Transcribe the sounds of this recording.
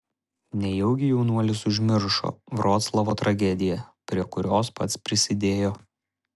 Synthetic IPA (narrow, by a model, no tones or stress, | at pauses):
nʲɛjɛʊɡʲɪjɛʊnuɔlʲɪsʊʒʲmʲɪɾʃo̰ːʋɾoːt̪slˠɐʋoːt̪ɾɐɡʲɛd̪ʲɪjɛpʲɾʲiɛkʊɾʲoːspɐt̪spʲɾʲɪsʲɪd̪ʲeːjoː